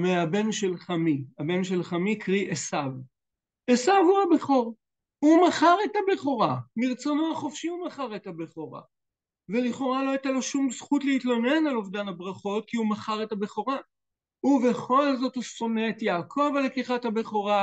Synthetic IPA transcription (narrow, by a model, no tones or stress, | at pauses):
meabe̞nʃe̞lχamiabe̞nʃe̞lχamikʁiʔesav | esavhuabeχo̞ʁ | humaχaʁe̞tabeχo̞ʁamiʁt͡so̞noaχofʃiumaχaʁetabeχo̞ʁa̰ | veliχo̞ʁalo̞ajtalo̞ʃumzχutleitlo̞ne̞nalovdanabʁaχo̞t̚kiumaχaʁe̞tabeχo̞ʁa | huve̞χo̞lzo̞tuso̞neːtjakʰovalekiχathabeχo̞ʁa